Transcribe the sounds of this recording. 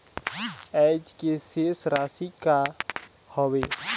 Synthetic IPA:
ɛːd͡ʒkeseːsɾaːsika | hɔwe

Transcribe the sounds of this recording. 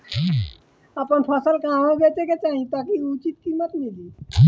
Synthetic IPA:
əpənpʰəsəlkaːmoɡet͡ʃeket͡ʃaːɦĩt̪akiut͡ʃit̪kiːmət̪mili

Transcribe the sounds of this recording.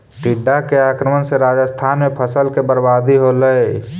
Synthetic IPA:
ʈiɖːakeaːkɾəmənseɾad͡ʒəst̪ʰaːnmẽpʰəsəlkebəɾbad̪iɦoləe

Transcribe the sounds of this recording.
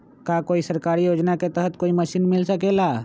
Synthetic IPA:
kakoːisəɾkaːɾijoːd͡ʒnaket̪əɦət̪koːiməʃiːnmɪlsəkelaː

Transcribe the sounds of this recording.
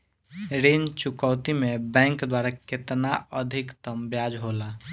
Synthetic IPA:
ɾent͡ʃukɔʊt̪imebɛ̃ŋkd̪waɾaket̪naʔəd̪ʱikt̪əmbjad͡ʒɦola

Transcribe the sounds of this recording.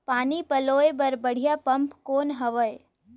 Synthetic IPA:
paːnipɐloːebɐɾbɐɽ̤ijapɐmpkoːnɦɐʋəe

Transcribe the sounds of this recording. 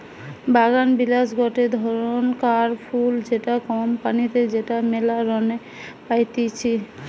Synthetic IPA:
baɡanbilasɡɔʈed̪ʱɔɾonkaɾpʰuld͡ʒeʈakɔmpanit̪ed͡ʑeʈamelaɾɔne | pajt̪it͡ɕʰi

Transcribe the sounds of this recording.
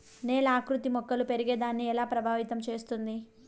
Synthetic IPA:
neːlaːkɾut̪imɔkːɐlupe̞ɾiɡeːd̪aːnːiɛlaːpɾɐbʱaːʋit̪ɐmt͡ʃe̞ːst̪und̪i

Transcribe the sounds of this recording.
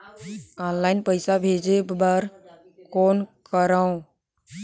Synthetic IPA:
aːnlaːɪnpəɪsabʱeːd͡ʒebaɾ | koːnkəɾaõ

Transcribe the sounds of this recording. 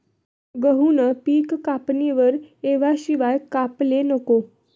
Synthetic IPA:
ɡəɦunəpiːkːapniʋəɾeʋaɕiʋajkaplenəko

